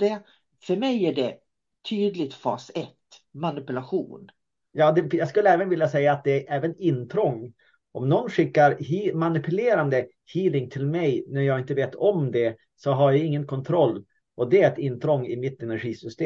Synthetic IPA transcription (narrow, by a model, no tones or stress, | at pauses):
d̪ɛ | fœɾmɛjæɖɛ | t̪ʰyːd̪lɪt̪fɑ̰ːsɛt̪ːmanɪpɵlaɧuːn | jɑːd̪ɛjɑɡskɵlːəɛːvənvɪljasɛjːaːt̪̚d̪ɛæɾʔɛːvənɪnːt̪ʰɾɔŋː | ʔɔmnɔnːɧɪkːaɾhiːmanɪpʉleːɾand̪ə | hiːlɪŋt̪ʰɪlmɛjnæɾjɑːɪnt̪əveːt̪ʰɔmd̪ɛ | sɔɦaɾjaɪŋːənkʰɔnt̪ʰɾɔlː | ʔɔd̪ɛɛt̪ɪnːt̪ʰɾɔŋːɪmɪt̪ːɛnæɧiːsʏst̪eː